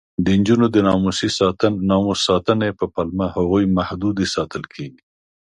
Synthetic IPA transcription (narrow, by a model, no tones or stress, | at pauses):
d̪ənd͡ʒunod̪ənɑmusisnɑmusɑt̪ənepəpalmahaɣojmahd̪ud̪esɑt̪əlkʰeɡi